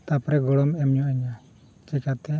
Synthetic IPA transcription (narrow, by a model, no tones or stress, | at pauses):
t̪apɾɛɡɔɽɔmɛmɲɔɛɲa | t͡ʃɛkat̪ɛ